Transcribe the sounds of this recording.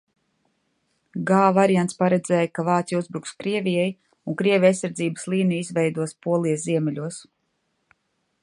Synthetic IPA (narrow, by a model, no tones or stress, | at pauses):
ɡaːvaɾijant̪spaɾɛd̪zʲɛːjkavaːt̪sʲjuzbɾukskɾiɛvʲijɛj | uŋkɾiɛvʲjajsaɾd̪ziːbə̥slˠiːnijizvɛjd̪uɔspuɔlˠijsziɛmʲɛlʲuɔs